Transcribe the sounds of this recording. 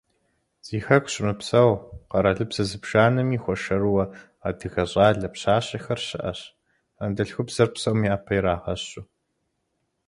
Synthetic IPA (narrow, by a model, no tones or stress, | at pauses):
z̥iːxɐkʷɕʼmɨpsɐwqɐɾɐɮɨbz̥ɐzɨbʒ̥aːnɨmiːxʷɔʃɐrwɐ | aːdɨɣɐɕʼaːɮɐpɕaːɕʼɐxɐrɕɪʔɐɕ | ɐndɐɬxʷʊbz̥ɐrpsɐwmiaːpʰɐjɾaːʁɐɕʊ